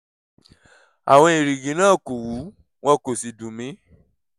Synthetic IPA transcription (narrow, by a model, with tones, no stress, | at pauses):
a̰˨w̃ɔ̃˧i˨ɾi˨ɡĩ˨˦nãː˦˨ko˨wu˨˦ | w̃ɔ̃˦˨ko˨si˨dũ˨mĩ˨˦